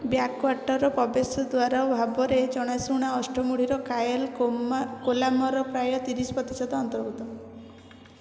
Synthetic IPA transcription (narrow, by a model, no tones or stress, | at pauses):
bjakwaɾʈɔɾɔpɔbesɔd̪waɾabʱabɔɾed͡ʒɔɽ̃ajsuɽ̃aɔsʈʰɔmuɽ̤iɾɔkajɔl | kolamɔɾɔpɾajɔt̪iɾisɔpɔt̪isad̪ɔɔnt̪ɔɾɡut̪ɔ